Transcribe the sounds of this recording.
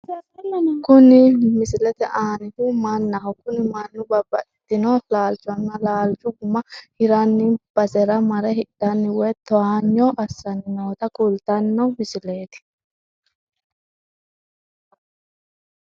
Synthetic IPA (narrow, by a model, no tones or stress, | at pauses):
nkʊnɪmɪsɪlɛt̪ɛʔaːnɪfimɐnːɐɦɔkːʊnɪmɐnːʊbɐbːɐᶑɛt̪ːɪnɔlaːlt͡ʃɔnːɐlaːlt͡ʃʊɡʊmːɐhɪɾanːɪb̥ɐsɛɾɐmɐɾɛɦɪᶑɐnːɪwɛt̪ːɔaɲːɔʔɐsɐnːoːt̪ɐkʼʊlt̪ɐnːɔmɪsɪleːt̪ɪ̥